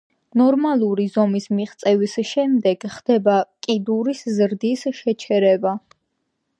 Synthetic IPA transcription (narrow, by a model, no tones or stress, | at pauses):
nɔɾmalˠuɾizɔmismiχt̪sʼɛvisʃɛmd̪ɛɡ̥χd̪̥ɛbakʼid̪uɾiszɾd̪isʃɛt͡ʃʰɛɾɛba